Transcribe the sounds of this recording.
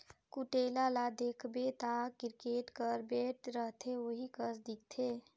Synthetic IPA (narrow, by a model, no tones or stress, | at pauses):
kuʈeːlalad̪eːkʰbet̪akɪɾkeːʈkəɾbeːʈɾəɦt̪ʰeoɦikəsd̪ɪk̚t̪ʰeː